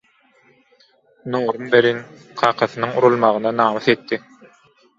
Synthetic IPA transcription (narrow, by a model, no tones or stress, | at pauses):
noːɾumbeɾin | qʰɑːqʰɑθɯnɯŋuɾulˠmɑʁɯnɑnɑːmɯθe̞t̪ːi